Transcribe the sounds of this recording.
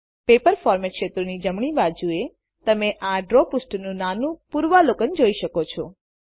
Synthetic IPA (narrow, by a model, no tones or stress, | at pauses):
pepəɾfɔɾmeʈʃet̪ɾonid͡ʒəmɳibadd͡ʒue | t̪əmeʔaɖɾopusʈnũnanũpuɾʋalokənd͡ʒoiʃəkot͡ʃʰɔ